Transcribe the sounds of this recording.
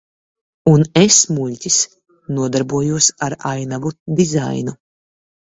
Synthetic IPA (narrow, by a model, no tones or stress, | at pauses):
unesmuʎʲcʲis | nuɔd̪aɾbuɔjuɔsaɾajnavud̪iza̰jnu